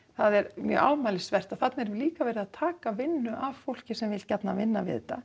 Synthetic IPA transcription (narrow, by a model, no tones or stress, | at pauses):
θaðɛɾmjœ̰ʔa̰wmaːlɪsvɛr̥t̪aθat̪naɛɾliːkavɛːɾɪðaðt̪ʰaːkavɪnːʏʔavfowl̥cɪsɛmvɪlcat̪navɪnːavɪ̰ðt̪ːa